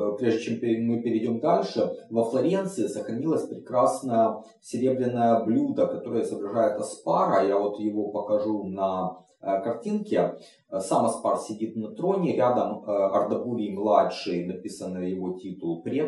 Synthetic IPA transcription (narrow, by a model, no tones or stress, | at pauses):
pɾʲeʐdʲɪt͡ɕempʲmɨpʲɪɾʲɪɪdʲo̞md̪alʲʂɨvəflˠɐɾʲe̞nt̪sɨɪsəxɾɐnʲilˠəsʲpɾʲɪkɾasnəjə | sʲɪɾʲe̞bɾʲɪnːəjəblʲud̪əkɐt̪o̞ɾɨjəzəbɾɐʐajɪt̪ɐspaɾɐjavo̞t̪jɪvo̞pəkɐʐunɐ | kɐrtʲinkʲɪ | samɐsparsʲɪdʲit̪nɐt̪ɾo̞nʲɪɾʲad̪əmɐrd̪ɐbuɾʲimlˠatʂɨjnɐpʲisənːɨjjɪvo̞tʲit̪ʊlˠpɾʲe